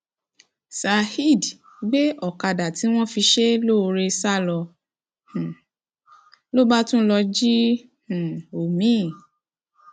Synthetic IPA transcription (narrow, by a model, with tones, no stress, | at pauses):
sa˨hi˦˨d | ɡ͡be˦ɔ˨ka˧da˨ti˨˦w̃ɔ̃˦fi˧ʃe˦lo˦˧ɾe˧sa˦˨lɔ˧ | h̩˨ | lo˦ba˦tũ˦lɔ˧d͡ʒi˦ | h̩˨o˨mĩ˨˦˨